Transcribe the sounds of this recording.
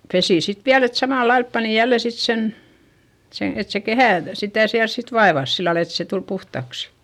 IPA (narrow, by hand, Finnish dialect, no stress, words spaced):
pesiˑ sit ʋiæl et sɑmɑˑlːɑilp pɑni jælːe sit sen sen̞ et se kehæˑ sitæˑ siæls sit ʋɑeʋɑs silːɑl et se tul puhtɑksi̥